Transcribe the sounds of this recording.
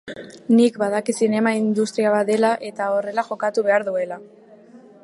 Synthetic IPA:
nikbaðakisine̞maind̪ust̪ɾiaβat̪d̪e̞laʔe̞t̪ao̞re̞laxo̞kat̪uβe̞aɾðue̞la

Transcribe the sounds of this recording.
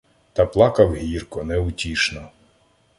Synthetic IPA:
t̪ɐplˠɑkɐwɦʲirkɔnɛʊtʲiʃnɔ

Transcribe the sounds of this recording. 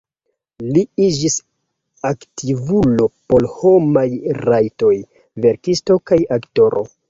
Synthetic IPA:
liid͡ʒis | aktivulo̞po̞lho̞majɾajto̞j | ve̞ɾkisto̞kajakto̞ɾʔo

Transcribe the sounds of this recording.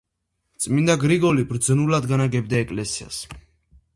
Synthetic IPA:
t̪sʼmind̪aɡɾiɡɔlibɾd̪znulad̪ɡanaɡɛbd̪aɛkʼlɛsia̰s

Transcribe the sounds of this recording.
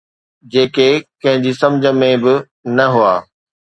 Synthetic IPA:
d͡ʑeːkekɐ̃ɦɪ̃ɲd͡ʑiːsɐ̃md͡ʑʱə̆mẽbɪ | nɐɦuaː

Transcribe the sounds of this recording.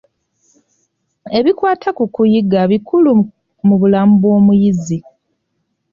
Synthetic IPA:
e̞βikwaːtʰakukujiɡaβikulu | muβulaːmubo̞ːmujizi

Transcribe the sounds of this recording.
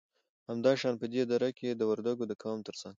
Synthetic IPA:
hamd̪ɑʃɑnpəd̪ed̪aɾaked̪əwəɾd̪aɡod̪əkʰɑmt̪əɾsaŋɡ

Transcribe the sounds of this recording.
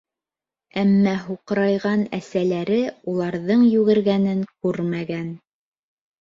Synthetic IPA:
æmːæɦuqɤɾɑjʁɑnæsælæɾɘulˠɑɾðɤɴjʉɣɘ̆ɾɡænɘŋkʉɾmæɡæn

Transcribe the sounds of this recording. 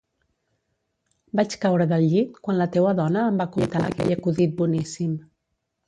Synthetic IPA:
bat͡ʃkawɾəðəlʎit̪kwanlət̪ewəðɔnəːmbakunt̪aə̰kɛ̰ʎəkuðit̪̚bunisim

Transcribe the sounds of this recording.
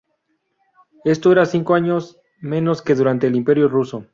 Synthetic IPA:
e̞st̪oe̞ɾasiŋkoaɲo̞s | mẽ̞no̞ske̞ðuɾant̪e̞ːlimpe̞ɾjo̞ruso̞

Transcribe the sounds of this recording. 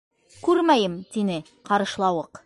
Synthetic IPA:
kʉɾmæjɘmt̪inɘ | qɑɾɤ̆ʃlˠɑwɤq

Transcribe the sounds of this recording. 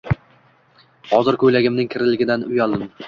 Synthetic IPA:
hɒzɪɾkʰɵjlaɡʲɪmnɪŋkʲʰɪɾɪlɪɡʲɪd̪anʊjalˠd̪ɪm

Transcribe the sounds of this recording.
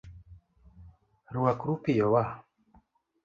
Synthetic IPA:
ɾuakuɾupijɔwa

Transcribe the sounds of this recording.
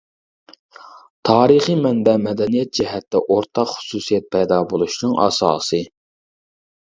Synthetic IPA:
t̪ʰɑːɾɨχimɛnb̪ɛmɛd̪ɛnijɛt̪̚d͡ʒɛɦɛt̪ːɛʔoɾt̪ʰɑqχʊ̥suːsijɛt̪̚pʰɛjd̪ɑbolˠuʃnɨŋʔɑ̰sɑ̰ːsɨ

